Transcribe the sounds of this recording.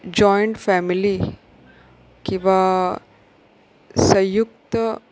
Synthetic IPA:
d͡ʑɔjɳʈfɛmili | kĩw̃ʋa | səjukt̪

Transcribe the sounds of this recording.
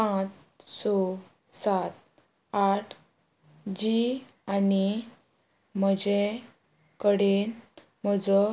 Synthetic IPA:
pãt͡s | sɔ | sat̪ | aʈʰ | d͡ʑi | ani | m̤əd͡ʑe | kəɽen | m̤əd͡zɔ

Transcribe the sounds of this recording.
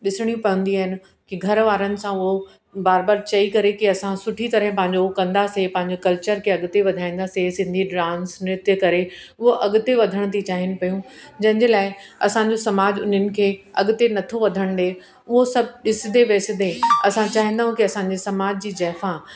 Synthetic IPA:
ɗɪsɪɽ̃ijũpɐ̤ə̃nd̪iaːɦɪnɪ̆ | kiɡʱɐɾʋaːɾənɪ̆sãʊɦo | baːɾbaːɾt͡ɕɐikɐɾekiɐsãsʊʈʰit̪ɐɾəɦɪ̃pɐ̃ɦɪ̃ɲ̆d͡ʑokɐ̃nd̪asepɐ̃ɦɪ̃ɲd͡ʑokɐlt͡ɕəɾkʰeɐɠʊt̪eʋɐd̪ʱaːĩːn̆d̪asesɪ̃nd̪ʱiɖɾãːnsnɪt̪jəkɐɾeʊɦoʔɐɠʊt̪eʋɐd̪ʱəɽ̃t̪ʰit͡ɕaːɦɪnɪ̆pɐjũd͡ʑɐ̃ɦɪ̃ɲd͡ʑelaːɪɐsãɲd͡ʑosɐmaːd͡ʑʊ̰n̤ənɪ̆kʰeːɐɠʊt̪enɐt̪ʰoʋɐd̪ʱəɽ̃d̪eː | ʊɦosɐbʱɗɪsɪd̪eʋeːsɪd̪eɐsãt͡ɕaːɦĩnd̪aːɦũkiɐsãɲ̆d͡ʑesɐmaːd͡ʑd͡ʑiːd͡ʑɛːfã

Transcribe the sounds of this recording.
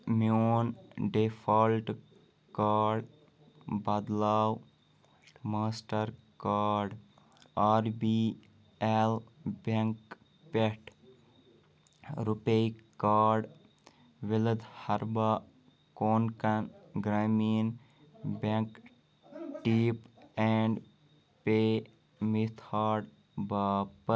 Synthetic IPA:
moːnɖepʰolʈ | kaːɖ | bɐd̪laːw | maːsʈəɾ | kaːɾɖ | aːɾbi | elbeŋk | peʈ | ɾupeikaːɾɖ | ʋiləd̪hɐɾba | koːnkanɡɾaːmin | bẽŋk | ʈipɛɳɖ | pe | mit̪ʰhaːɾɖ | bapə

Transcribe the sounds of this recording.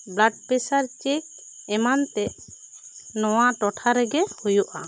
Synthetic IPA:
blaɖ̚pɛsaɾt͡ʃek̚ | ɛmant̪ɛʔ | nɔwaʈɔʈʰaɾɛɡɛhujuʔa

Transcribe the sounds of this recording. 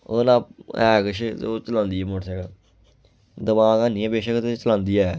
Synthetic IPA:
o̰naːɛːkəʃot͡ʃəlãːnd̪iːɛːmoʈsɛːkə | d̪əmaːkaːnĩːɛbeːʃəkt̪et͡ʃəlãːnd̪iːɛː

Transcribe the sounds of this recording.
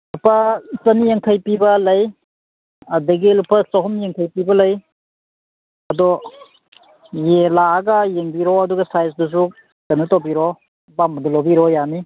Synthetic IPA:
lupʰɐsɐnijeŋkʰɐjpibɐlɐj | ɐdɐɡilupʰɐsɐɦɔmjeŋkʰɐjpibɐlɐj | ɐdɔ | jelaːɡɐjeŋbiɾɔɐduɡɐsajs̬dus̬u | tɐnutobiɾɔ | bambɐdɐlobiɾɔjani

